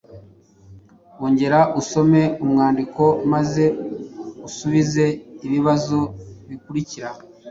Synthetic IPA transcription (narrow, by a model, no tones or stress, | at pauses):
woːɲɟe̞ɾaʔuso̞me̞umŋaːndiko̞maze̞ | usuβize̞iβiβazoβikuɾiciɾa